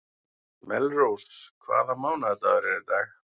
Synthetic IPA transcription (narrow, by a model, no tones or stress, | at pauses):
mɛlrowskʰva̰ːðamaːwnaðɛt̪aðɾɛɾɛt̪aːx